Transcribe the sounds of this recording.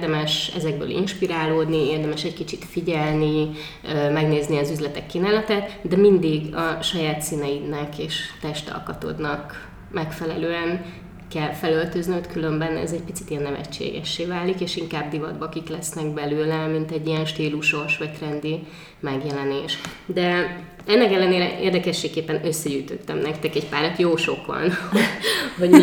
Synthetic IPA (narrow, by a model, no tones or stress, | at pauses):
d̪ɛmɛʃɛ̰zɛɡ̚bø̰ːlʔḭnʃpiɾaːloːd̪nieːrd̪ɛmɛʃɛckit͡ʃit̪fiɟɛlni | mɛɡneːzniɒzyzlɛt̪ɛkːinaːlɛt̪ɛt̪d̪ɛmind̪iɡɒʃɒjaːt̪siːnɛinɛkeːʃt̪ɛʃt̪ɒ̰lkɒt̪o̰d̪nɒk | mɛkfɛlɛløːɛn | kɛlfɛlølt̪øzniøt̪kylø̞mbɛnɛ̰zɛc̚pit̪sit̪ijɛnːɛvɛ̰t͡ʃːḛːɡɛ̰ʃːeːvaːlikeːʃiŋkaːbd̪ivɒd̪bɒkiklɛsnɛɡ̚bɛløːlɛmint̪ɛɟːijɛnʃt̪iːluʃo̞ʃʋɛk̪rɛnd̪i | mɛɡjɛlɛneːʃ | d̪ɛ | ɛnːɛkɛlːɛneːɾɛ̰ʔeːrd̪ɛkɛʃːeːkːeːpːɛnø̞sːɛɟyːt̪ø̞̰t̪ːɛmnɛkt̪ɛkɛcpaːɾɛt̪joːʃo̞kʋɒ̰nhoho